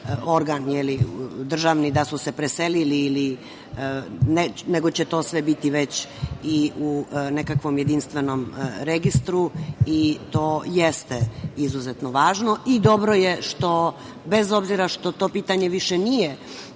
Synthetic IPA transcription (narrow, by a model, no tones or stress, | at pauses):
o̞ɾɡanjelid̪r̩ʒaʋnid̪asusepɾeseliliːli | neneɡo̞t͡ɕet̪o̞ːsʋebit̪iʋet͡ɕiʔunekakʋo̞mjed̪inst̪ʋeno̞mɾeɡist̪ɾuit̪oːjest̪eizuzet̪noʋaːʒno̞id̪o̞bɾojeʃt̪o̞ | be̞zo̞bziɾaʃt̪o̞t̪o̞ːpiːt̪aɲe̞ʋiʃenije